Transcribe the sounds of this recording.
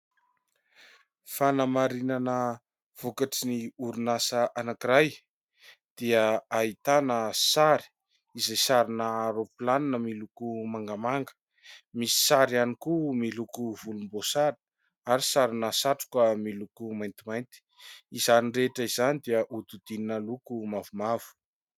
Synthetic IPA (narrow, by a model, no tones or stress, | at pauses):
fanamaɾinanə | v̥okaʈ͡ʂiniuɾunasəʔanakiɾaj | d̪̥iəait̪anəsaɾi̥ | izejsaɾinaɾopilaninəmilukumaŋɡəmaŋɡə̥ | misi̥saɾianikumilukuvulumbosaɾi | aɾisaɾinasaʈ͡ʂu̥kwəmilukumajnt̪imajnt̪i̥izanireʈ͡ʂəizanid̪iəʔud̪ud̪̥ininəlukumavumav̥u̥